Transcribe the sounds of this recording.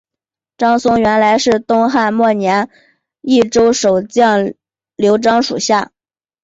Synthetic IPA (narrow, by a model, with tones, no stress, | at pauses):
ʈ͡ʂɑ˥ŋsʊ˥ŋɥɛ˧˥nla˧˥ɪʂɻ̩˥˩t̪ʊ˥ŋxa˥˧nmwɔ˥˩njɛ˧˥n | i˥˩ʈ͡ʂo˥ʊʂo˨˩ʊt͡ɕjɑ˥˩ŋ | ljo˧˥ʊʈ͡ʂɑ˥ŋʂu˨˩ɕja˥˩